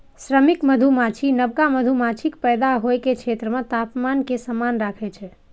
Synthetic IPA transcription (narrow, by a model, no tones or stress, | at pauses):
sɾəmikməd̪ʱumat͡ʃʰinəbkaməd̪ʱumat͡ʃʰikpɛjd̪aɦojkekʰet̪ɾəmə̃t̪apmankesəmanɾakʰɛt͡ʃʰɛ